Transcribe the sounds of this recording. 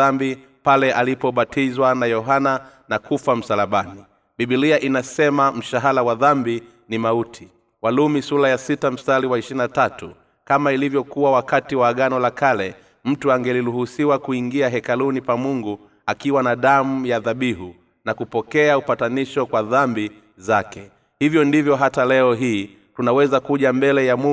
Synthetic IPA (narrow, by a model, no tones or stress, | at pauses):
ambi | palɛʔalipɔɓatʰizwanajɔɦana | nakufam̩salaɓani | ɓiɓiliaʔinasɛmam̩ʃaɦalawaðambi | nimautʰi | walumisulajasitam̩staliwaiʃinatatu | kamailivjɔkuwawakatiwaːɠanɔlakalɛ | m̩tuaŋɡɛliɾuhusiwakuiŋɡiaɦɛkalunipamuŋɡu | akiwanaɗamujaðaɓiɦu | nakupɔkɛaupataniʃɔkwaðambi | zakɛ | hivjɔndivjɔɦatalɛɔɦiː | tunawɛzakuʄambɛlɛjamu